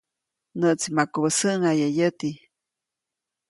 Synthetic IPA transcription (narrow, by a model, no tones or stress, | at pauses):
nəʔt͡simakobəsəʔŋajajət̪i